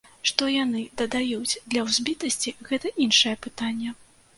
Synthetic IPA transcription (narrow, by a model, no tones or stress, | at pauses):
ʂt̪ɔjanɨd̪ɐd̪ajud͡zʲd̪lʲɐwzʲbʲit̪ɐsʲt͡sʲiɣɛt̪ɐʔinʂɐjɛpɨt̪anʲːɛ